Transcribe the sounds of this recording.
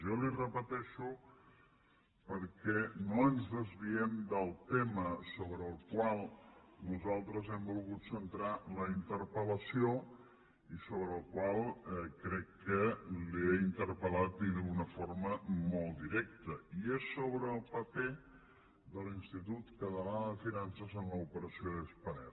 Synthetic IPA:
ʒɔlirəpət̪ɛʃu | pəɾkɛnoənzðəzβiɛmd̪əlˠt̪ɛməsoβɾəːlˠkwalˠnuzalˠt̪ɾəzɛmbulˠɣut̪sənt̪ɾaləint̪əɾpələsio | isoβɾəːlˠkwalˠkɾɛkːəlieint̪əɾpəlat̪̚d̪inəɣunəfoɾməmolˠd̪iɾɛk̚t̪əiesːoβɾəːlˠpəpɛ | d̪əlinst̪it̪ut̪kət̪əlanəðəfinansəzənləupəɾəsioðəspənɛ̰

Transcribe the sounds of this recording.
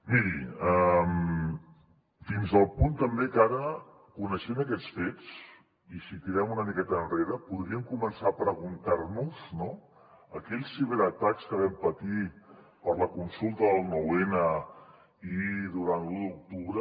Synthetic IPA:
miɾḭəm | finzðəlˠpunt̪əmbekaɾə | kunəʃɛməkɛt͡sfet͡s | isit̪iɾɛmunəmikɛt̪əːnreɾəpuðɾiəmkumənsapɾəɣunt̪aɾnuz̥no | əkɛʎsːiβeɾət̪akskəβɛmpət̪i | pəɾləkunsulˠt̪əðəlˠnuwenə | iðuɾant̪luk̚t̪uβɾə

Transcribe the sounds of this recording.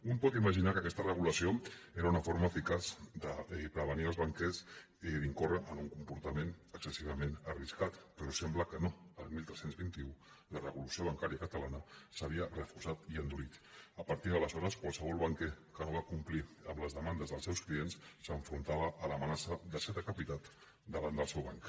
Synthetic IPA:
umpɔt̪iməʒinakəkɛst̪ərəɣuləsioeɾəunəfoɾməːfikazd̪əpɾəβ̞əniəlˠzβəŋkɛs | iðiŋkorəʔənuŋkumpuɾt̪əmenəksəsiβəmenəriskat̪pəɾɔsɛmbləkənoəlˠmilˠt̪ɾɛsenzβint̪iu | lərəβulusioβ̞əŋkaɾiəkət̪əlanəsəβiərəfuɾsat̪iənd̪ulit̪əpəɾt̪iðələzɔɾəskwalˠsəβ̞ɔlˠβaŋkekənoβakumpliəmləzðəmand̪əzðəlˠsɛwsklienssəɱfɾunt̪aβəʔːləmənasəd̪əsɛt̪əkəpit̪at̪ | d̪əβand̪əlˠsɛwβaŋk

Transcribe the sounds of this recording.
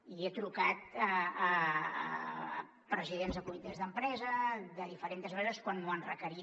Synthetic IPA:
iet̪ɾukat̪əː | pɾəziðenzðəkumit̪ezðəmpɾɛzəðəðifəɾent̪əzβəɾreðəskwanːoanrəkəɾi

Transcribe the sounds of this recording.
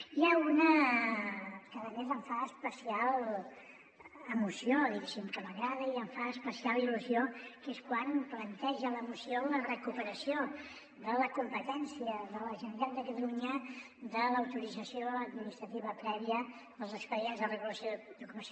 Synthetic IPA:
iaunə | kaðəmezəɱfaəspəsialˠ | əmusioðiɣesimkəməɣɾaðəiəɱfaəspəsialˠiluziokeskwanplənt̪ɛʒələmusiolərəkupəɾəsio | ðələkumpət̪ɛnsiəðələʒənald̪əkət̪əluɲə | ðələwt̪uɾid͡zəsioəd̪minist̪ɾət̪iβəpɾɛβiəðəlˠzəkspəɾienzðərəɣuləsjod̪ukuməs

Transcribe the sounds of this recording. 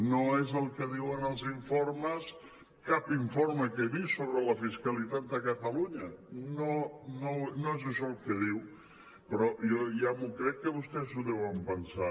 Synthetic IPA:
noezəlˠkəðiwənəlˠziɱfoɾməs | kapiɱfoɾməkeβisoβɾələfiskəlit̪at̪̚d̪əkət̪əluɲənononoezəʃɔlˠkəðiw | pɾɔjɔjamukɾɛkːəβust̪ɛzuðɛwəmpənsa

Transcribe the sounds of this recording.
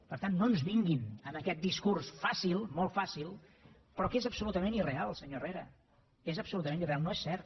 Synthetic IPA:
pəɾt̪anːonzβiŋɡinəməkɛt̪̚d̪iskursfasilˠmolˠt̪fasilˠ | pɾɔkezəpsulut̪əmẽnirealˠsəɲoreɾə̰ | ezəpsulut̪əmenirealˠnoesːɛɾt̪

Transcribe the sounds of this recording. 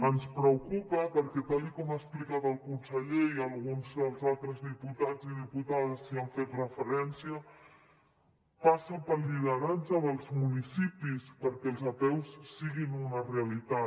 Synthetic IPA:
ənspɾəwkupəpəɾkɛt̪alikɔmasplikat̪əlˠkunsəʎeiəlˠɣunzðəlˠzalˠt̪ɾəzðiput̪ad͡ziðiput̪aðəsːiaɱfet̪rəfəɾɛnsiə | pasəpəɾlʎiðəɾanzəðəlˠzmunisipispəɾkɛlˠzap̪ɛwsːiɣinunəreəlit̪a

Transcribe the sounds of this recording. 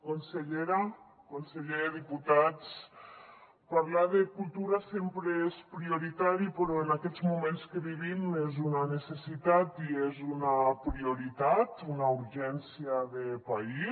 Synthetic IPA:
konseʎeɾa | konseʎeðeðiput̪at͡s | paɾlaðekulˠt̪uɾasempɾeespɾioɾit̪aɾipeɾɔenakɛzmumẽnskeβiβimezunanesesit̪at̪iezunapɾioɾit̪at̪unauɾʒɛnsiaðepai

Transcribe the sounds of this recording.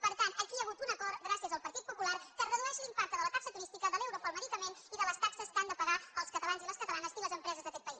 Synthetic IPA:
pəɾt̪ant̪əkiəɣ̞ut̪unəkɔɾɡɾasiəzəlˠpəɾt̪it̪̚pupularkərəðuɛʃilimpak̚t̪əðələt̪aksət̪uɾist̪ikəðəlɛwɾopɔlˠməðikəmeniðələst̪aksəskand̪əpəɣaəlˠskət̪əlanziləskət̪əlanəziləzəmpɾɛzəzðəkɛt̪pəi

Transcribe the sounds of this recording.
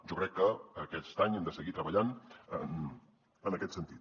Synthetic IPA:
ʒɔkɾɛkːəːkɛst̪aɲɛmd̪əsəɣit̪ɾəβəʎanən | ənəkɛt̪sənt̪it̪

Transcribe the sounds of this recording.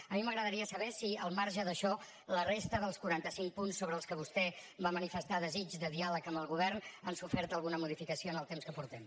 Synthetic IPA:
əmiməɣɾəðəɾiəsəβɛsiəlˠmaɾʒəðəʃɔ | lərest̪əðəlˠskuɾant̪əsiŋk̚punsːoβɾəːlˠskəβ̞ust̪ɛbamənifəst̪aðəzid͡ʒðəðialəkəmbəlˠɣuβ̞ɛrnənsufɛɾt̪əlˠɣunəmuð̞ifikəsioənəlˠt̪emskəpuɾt̪ɛm

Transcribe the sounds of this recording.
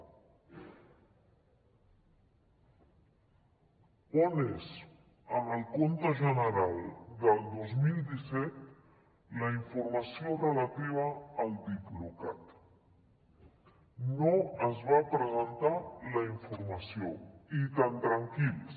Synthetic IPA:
ɔnez | əməlˠkont̪əʒənəɾalˠd̪əlˠd̪ozmilˠd̪isɛt̪̚ | ləiɱfuɾməsiorələt̪iβəːlˠd̪ikluka̰t̪ | noəzβapɾəzənt̪aləiɱfuɾməsioit̪ant̪ɾəŋkilˠ

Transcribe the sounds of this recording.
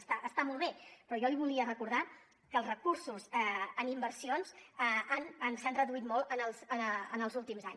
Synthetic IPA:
st̪aʔəst̪amɔlˠβepɾɔjɔliβuliərəkuɾða | kəlˠzrəkursuzɛənimbərsionzəanənsanrəðuit̪mɔlˠənəlˠzəənəlˠzulˠt̪imzaɲ

